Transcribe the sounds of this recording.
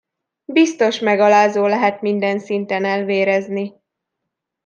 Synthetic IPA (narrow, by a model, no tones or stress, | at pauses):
bist̪o̞ʃmɛɡɒlaːzoːlɛɦɛt̪mind̪ɛnsint̪ɛnɛlveːɾɛzni